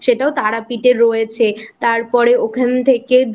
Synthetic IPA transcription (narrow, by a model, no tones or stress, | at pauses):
ʃeʈaot̪aɽapiʈeɾojet͡ɕʰet̪aɾpɔɾeokʰant̪ʰeked̪